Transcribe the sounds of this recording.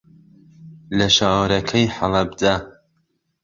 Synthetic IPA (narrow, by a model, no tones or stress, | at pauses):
lɐʃaːwɾɐkʰɐjħɑlˠɐbd̪aː